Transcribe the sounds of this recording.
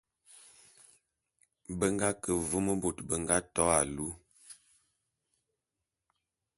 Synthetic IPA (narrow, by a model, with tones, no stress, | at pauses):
bə˦ŋɡa˦kə˨və˦mə˦bo˨tbə˨ŋɡa˦tɔ˨˦a˨lu˦